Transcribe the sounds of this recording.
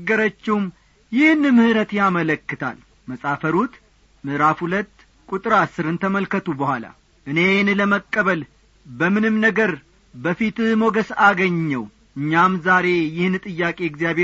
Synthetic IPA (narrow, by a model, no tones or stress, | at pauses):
ɡːəɾət͡ʃːɪwm | jɪhnɨmɨhɨɾət̪jamələkːɨt̪ʰa̰l | məsʼafəɾut̪ | mɨʔɾafhulət̪ː | kʼut̪ʼɨɾasːɨɾɨnt̪ʰəməlkət̪ʰubəhʷala̰ | ʔɨne̞nləməkʼːəβəl | bəmɨnɨmnəɡəɾ | bəfit̪moɡəsaɡəɲːəw | ʔɨɲːamzaɾe̞jɪhnt̪ʼɨjːakʼe̞ɪɡzijaβe